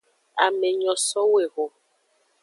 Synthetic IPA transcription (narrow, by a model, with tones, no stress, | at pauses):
a˨me˨ɲɔ̃˨sɔ˦we˨ɣo˨